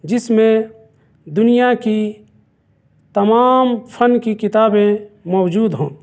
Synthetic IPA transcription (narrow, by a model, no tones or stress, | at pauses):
d͡ʒɪsmẽ | d̪ʊnijaki | t̪ɐmaːmpʰənkikɪt̪aːbẽmɔːd͡ʒuːd̪ɦõː